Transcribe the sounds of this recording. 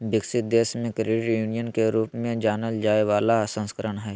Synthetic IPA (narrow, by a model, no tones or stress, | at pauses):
bɪksɪt̪̚d̪eːsmẽkɾeʈjuːnijənkeɾuːpmẽd͡ʒaːnəld͡ʒaːeʋaːlasə̃nskəɾəɳɦɛː